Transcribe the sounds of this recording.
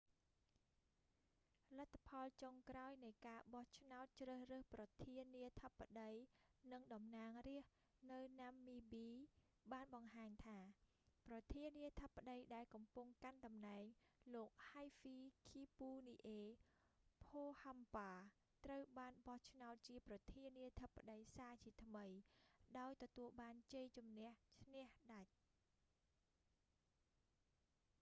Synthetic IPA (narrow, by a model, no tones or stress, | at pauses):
lət̪ʰːapʰɑlt͡ɕoŋkraɔjnɨjkaːɓɑht͡ɕʰnaɔt̪̚t͡ɕrəːhrəːhprɑt̪ʰiənːiət̪ʰəpːaɗəjnɨŋɗɑmnaːŋriəh | nɨwnamːiːɓiː | ɓaːnɓɑŋhaːɲt̪ʰaː | prɑt̪ʰiəniət̪ʰəpːaɗəjɗaɛlkɑmpuŋkanɗɑmnaɛŋloːk̚hajfiːkʰiːpuːniːʔeː | pʰoːhampaː | t̪rəwɓaːnɓɑht͡ɕʰnaɔt̪̚t͡ɕiəprɑt̪ʰiəniət̪ʰəpːaɗəjsaːt͡ɕiət̪ʰməjɗaɔjt̪ɔt̪uəlɓaːnt͡ɕəjt͡ɕumnɛ̆əht͡ɕʰnɛ̆əhɗac̚